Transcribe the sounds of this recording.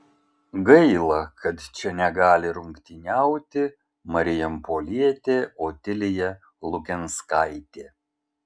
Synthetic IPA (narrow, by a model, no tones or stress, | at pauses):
ɡɐɪlˠɐkʰɐt̪t͡ʃʲɛnʲɛɡɑːlʲɪɾʊŋkt̪ʲinʲæʊt̪ʲɪ | mɐɾʲɪjɛmpoːlʲiɛt̪ʲeːoːt̪ʲɪlʲɪjɛ | lˠʊkʲɛnskɑɪt̪ʲeː